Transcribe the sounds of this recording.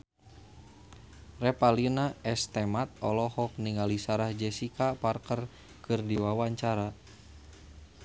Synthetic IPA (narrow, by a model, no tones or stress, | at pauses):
rɛpalinaɛst̪ɛmat̪̚ɔlɔhɔk̚niŋalisaɾahd͡ʒɛsikaparkər | kɨrdiwawaɲt͡ʃaɾa